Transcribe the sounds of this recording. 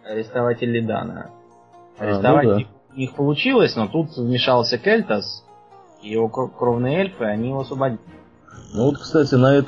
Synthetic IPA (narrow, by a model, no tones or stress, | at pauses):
ɐɾʲɪst̪ɐvatʲɪlʲːɪd̪a̰nə̰ | ɐɾʲɪst̪avaɪ | nʲixpəlˠʊt͡ɕilˠəsʲno̞t̪ut̪vmʲɪʂɑlˠsʲəkelʲt̪əs | ijɪvo̞kkɾo̞vnɨjəelʲfɨɐnʲijɪvoɐsvəbɐdʲilʲɪ | nuvot̪kst̪atʲɪnɐɛt̪